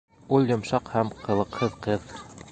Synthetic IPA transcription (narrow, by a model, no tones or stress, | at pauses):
ulˠjŏmʃɑqhæmqʰɤ̆lˠɤ̆qhɤðqɤð